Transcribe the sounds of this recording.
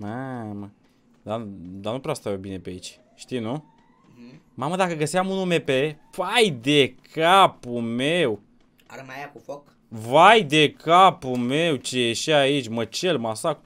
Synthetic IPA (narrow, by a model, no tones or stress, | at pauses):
mamə | d̪ad̪anupɾeast̪avebine̞peait͡ʃʲ | ʃt̪ijnu | maməd̪akəɡəsiamunume̞pe̞ | pajd̪ekʰapumew | ajakufok | vajd̪e̞kapume̞wt͡ʃejeʃiait͡ʃʲmət͡ʃe̞lmasak